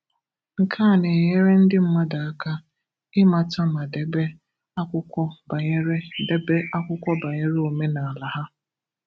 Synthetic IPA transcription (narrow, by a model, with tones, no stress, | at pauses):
ŋ̩˨kʰa˦˨ne˨ɲe˦ɾe˦n̩˦dɪ˦m̩˦ma˦da˨a˦ka˦ | ɪ˦ma˨ta˦ma˨de˨be˦ | a˦kʷʊ˦kʷɔ˦ba˨ɲe˦ɾe˦de˦be˦ʔa˦kʷʊ˦kʷɔ˦ba˨ɲe˦ɾe˦o˨me˦na˨a˨la˨ɦa˦